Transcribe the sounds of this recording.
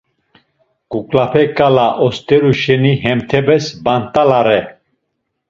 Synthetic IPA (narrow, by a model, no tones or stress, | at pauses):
kʼukʼlapʰɛkʼalaʔɔst̪ʼɛɾuʃɛniɦɛmt̪ʰɛbɛsbant̪ʼalaɾɛ